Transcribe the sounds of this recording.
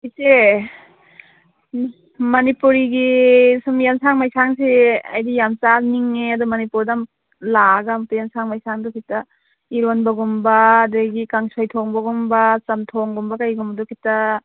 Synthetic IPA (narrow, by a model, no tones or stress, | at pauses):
ise | mɐnipuɾiɡisumjamsaŋmajsaŋsea̰jdijamt͡ʃakniŋːeadɔmɐnipuɾdam | laɡamtujamsaŋmajsaŋdukʰita | iɾonbaɡumbadeɡikaŋsɔjtʰɔŋbaɡumbat͡ʃɐmtʰɔŋɡumbakajɡumbɐdukʰita